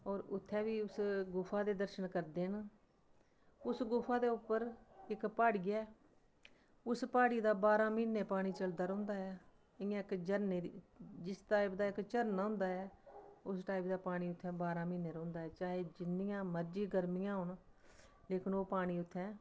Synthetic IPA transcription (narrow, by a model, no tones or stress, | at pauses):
ɔːɾʊt̪ʰːɛ̃ːʋiːʊsɡʊfʰãːd̪eːd̪əɾʃənkəɾd̪eːn | ʊsɡʊfʰãːd̪eːʊpːəɾɪkpaːɽɡɪɛː | ʊspaːɽiːd̪aːbaːɾãːmiːnːeːpaːɽ̃iːt͡ʃəld̪aːɾõːnd̪aːɦɛː | ɪãːɪkd͡ʒəɾneːd͡ʒɪsʈaːpd̪aːɪkt͡ʃəɾnʊ̃ːnd̪aːɛːʊsʈaːɪpd̪aːpaːɽ̃iːʊt̪ʰːɛ̃ːbaːɾãːmiːnːeːɾõːnd̪aːɦɛːt͡ʃaːɦeːd͡ʒɪnːɪjãːməɾd͡ʒiːɡəɾmɪjãːɦʊɳ | leːkɪnoːpaːɽ̃iːʊt̪ʰːɛ̃ː